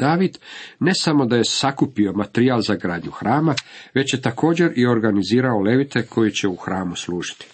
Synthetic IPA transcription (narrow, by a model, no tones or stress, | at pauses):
d̪̥aːʋid̪ne̞samo̞d̪aje̞sakupio̞mat̪ɾiaːlˠzaɡɾaːd̪ɲuxɾaːmaʋe̞t͡ɕje̞t̪ako̞ːd͡ʑe̞ɾio̞ɾɡaniziːɾao̞le̞ʋit̪e̞kʰo̞jit͡ɕe̞uxɾaːmuslˠuːʒ̥i̥t̪i̥